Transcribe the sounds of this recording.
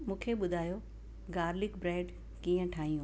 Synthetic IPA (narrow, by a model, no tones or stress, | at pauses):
mũːkʰeɓʊd̪ʱaːjo | ɡaːɾlɪkbɾeːɖ | kiːə̃ʈʰaːɦĩũ